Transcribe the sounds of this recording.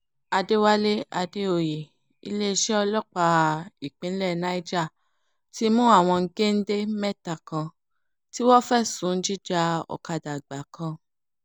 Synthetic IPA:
a˧de˦wa˦le˦a˧de˦o˧˨je˨ | ḭ˧˦le˦i˧ʃɛ˦ɔ˧lɔ˦k͡pa˧i˨k͡pĩ˨˦lɛ˦˨nã˧˦i˦d͡ʒa˦˨ | ti˦mũ˦a˦˨w̃ɔ̃˧ŋ̩˦ɡe˦n̩˦de˦mɛ˦ta˨kã˧ | ti˦wɔ˦fɛ˦˨sũ˨˦n̩˦d͡ʒi˦d͡ʒa˧˦ɔ̰˨ka˧da˨ɡ͡ba˨kʰã˧

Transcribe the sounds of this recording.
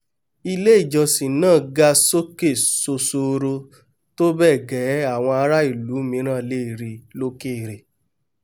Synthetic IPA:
i˧le˦i˦˨d͡ʒɔ˨si˨nãː˦˨ɡa˧so˦ke˦˨so˧so˧ɾo˧ | to˦bɛ˦˨ɡɛ˨˦a˦˨w̃ɔ̃˧a˧ɾa˦i˦˨lu˨˦mĩ˧˦ɾ̃ãː˦˨le˦i˦˨ɾi˧lo˦ke˦i˨ɾe˨

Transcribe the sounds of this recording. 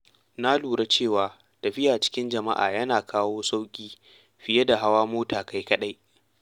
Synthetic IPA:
na˦luː˨ɽa˦t͡ʃeː˦˨waː˨ | tɐ˨ɸɪ˦jaː˨t͡ʃɪ̥˦kʲɪ˦nd͡ʒɐ˨ma̰˦ʔa̰ː˨jɐ˦naː˨kʰaː˦woː˦sa˦wkʲʼiː˦ | ɸɪ˨jɐ˦da˨ɦa˦waː˦moː˦taː˨ka˦jkɐ˦ɗa˦j

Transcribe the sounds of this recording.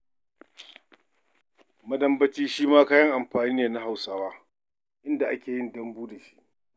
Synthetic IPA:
mɐ˦dɐ˦mbɐ˦t͡ʃiː˦ʃiː˦maː˦kaː˦jɐ˦ŋʔa˨mɸaː˨niː˦neː˨na˦ɦa˨wsaː˦waː˦ | ʔɪ˦nda˨ʔa˦kʲʰeː˨jɪ˦ndɐ˦mbuː˦da˨ʃi̥˦ʔ

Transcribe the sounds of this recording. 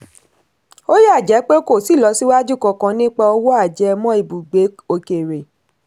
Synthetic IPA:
o˦ja˦˨d͡ʒɛ˨˦k͡pe˦o˦ko˦˨si˦˨lɔ˨˧˦si˦wa˦d͡ʒu˦˨kɔ̃˧kã˧nĩ˦k͡pa˧ɔ˧wɔ˦a˦˨d͡ʒɛ˨˦˧mɔ̃˦i˦˨bu˨ɡ͡be˨˦o˧ke˨ɾe˨

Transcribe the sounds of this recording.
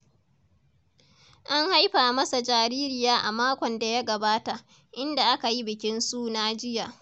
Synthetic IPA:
ʔa˦ŋha˦jɸaː˨mɐ˦sa˨d͡ʒaː˨ɾiː˦ɾɪ˦˨jaː˦ʔa˨maː˦kʷɔ˨nda˨ja˦ɡɐ˨baː˦ta˨ʔ | ʔɪ˦nda˨ʔa˦ka˨ji˦bɪ˨kʲɪ˦nsu˦na˦d͡ʒɪ˦jaː˨

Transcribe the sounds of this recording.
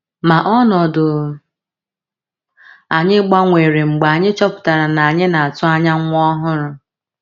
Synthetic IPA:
ma˨ʔɔ˦nɔ˨dʊ˨ | a˨ɲɪ˦ɡ͡ba˦ŋʷe˨ɾe˨ŋ͡m̩˨ɡ͡ba˨a˨ɲɪ˦t͡ʃɔ˦pʊ̥˨ta˨ɾa˨na˨a˨ɲɪ˦na˨a˨tʊ˦a˦ɲa˦ŋʷʊ˦ɔ˦ɦʊ˦ɾʊ˦

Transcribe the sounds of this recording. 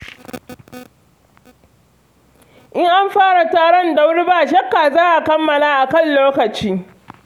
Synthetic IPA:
ʔɪ˦ŋʔa˦mɸaː˦ɽa˨taː˦ɽɔ˦nda˦wɽbaː˦˨ʃɐ˦kːaː˨zaː˦ʔa˨kɐ˦mːɐ˨laː˦ʔa˨kɐ˦˨nloː˦kɐ˨t͡ʃiː˦

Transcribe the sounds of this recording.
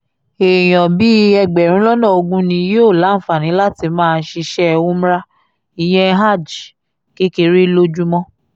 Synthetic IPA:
e˨j̃ɔ̃˨bi˨˦ɛ˧ɡ͡bɛ˨ɾ̃ũ˦lɔ˦nɔ̃˦˨o˧ɡũ˦nĩ˧˦je˦o˦˨la˨˦˨fa˨nĩ˨˦la˦ti˧mãː˦˧˦ʃi˧ʃɛ˦˧wũ˦m̩˦ɾa˦ | i˨j̃ɛ̃˧˦ɦa˦˨d͡ʒ | ke˦ke˧ɾi˦lo˦d͡ʒu˦mɔ̃˦

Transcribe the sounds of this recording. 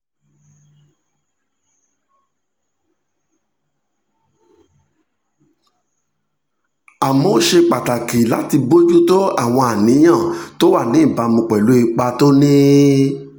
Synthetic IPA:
a˨mo˨˦ʃe˧k͡pa˨ta˨ki˨la˨˦ti˧bo˦d͡ʒu˦to˦a̰˦˨w̃ɔ̃˧a˨nĩ˨˦j̃ã˦˨to˦wa˦˨nĩ˨˦˨ba˨˦mũ˧k͡pɛ˨lu˨˦i˧k͡pa˧to˦nĩ˦

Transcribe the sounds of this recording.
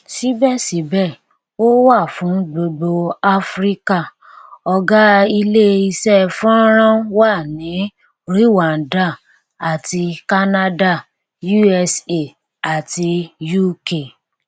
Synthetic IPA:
si˦bɛ˦˨si˨˦bɛ˦˨ | o˦wa˦˨fũ˨˦ɡ͡bo˧ɡ͡bo˧a˦fɾi˦ka˦˨ | ɔ˧ɡa˦i˧le˦i˧sɛ˦˨fɔ̃˦ɾ̃ã˦wa˦˨nĩ˨˦ | ɾi˦wa˨n̩˨˦da˦˨ | a˨ti˧ka˦na˦da˦˨ | ju˦ɛ˧se˦˨ | a˨ti˧ju˦ke˦˨

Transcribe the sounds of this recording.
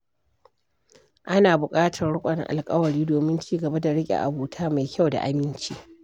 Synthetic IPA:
ʔa˦naː˨bʊ˨kʼaː˦tʰɐ˨rɽʊ˦kʷʼɐ˨nɪ̰˦ʔa̰˨lkʼɐ˦wɐ˨ɽiː˦doː˨mɪ˦nt͡ʃiː˦ɡɐ˨ba˦da˨ɽɪ˦kʲʼḛ˨ʔa̰˨buː˦tʰaː˦ma˨jkʲa˦wda̰˨ʔa˦mɪ˦nt͡ʃi˦

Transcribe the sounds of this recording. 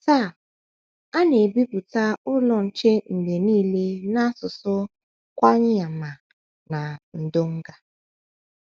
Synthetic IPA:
ta˦˨ | a˦ne˨bi˦bu˨ta˦ʊ˦lɔ˨n̩˨t͡ʃe˦ŋ̩˨de˨niː˦le˦na˦sʊ˨sʊ˦ | kʷa˦ɲɪ˦a˨ma˨ | na˨n̩˨do˦ŋ̩˦ɡa˨

